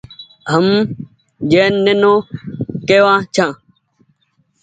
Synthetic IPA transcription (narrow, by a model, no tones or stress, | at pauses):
ɦəm | d͡ʒeːnːenõːkeːʋãːt͡ʃʰãː